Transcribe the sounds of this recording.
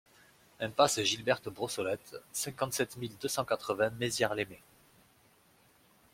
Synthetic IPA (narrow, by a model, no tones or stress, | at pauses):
ɛ̃paseʒilbɛʁt̪bʁɔsɔlɛt̪sɛ̃kɑ̃t̪sɛt̪mild̪øsɑ̃kat̪χəvɛ̃mezjaʁleme